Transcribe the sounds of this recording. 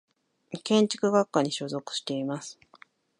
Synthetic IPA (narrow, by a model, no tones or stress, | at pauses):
kẽ̞ɲ̟t͡ɕi̥kɯ̟ɡakːaɲ̟iɕo̞zo̞kɯ̟̥ɕi̥t̪e̞imasɨ̥